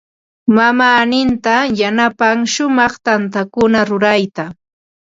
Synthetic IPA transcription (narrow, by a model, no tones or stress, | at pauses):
mamaːnɪnt̪ajanapaŋʃʊmɑχt̪ant̪akʊnaɾʊɾajt̪a